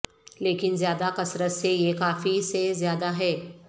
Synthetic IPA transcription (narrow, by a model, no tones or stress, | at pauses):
leːkɪnzjaːd̪akɐsɾət̪sejekaːfisezjaːd̪aɦɛː